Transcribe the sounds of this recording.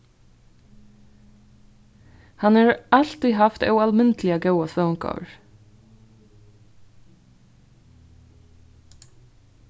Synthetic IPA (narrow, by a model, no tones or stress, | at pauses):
hɑnɑːɹʔɑlt̪ɪhɑft̪œ̰ʉɑlmɪnt̪ʰlɪəɡœʉəsʋɑʉŋkʰɑ̰əɹ